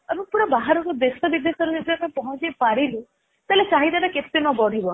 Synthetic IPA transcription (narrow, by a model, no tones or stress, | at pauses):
ebɔ̃puɽɔbaɦaɾɔkɔd̪esɔbid̪ːesɔɾɔd͡ʒed̪amapɔɦɔ̃t͡ʃepaɾilu | t̪alet͡ʃaɦid̪anaket̪enɔbɔɽ̤ibɔ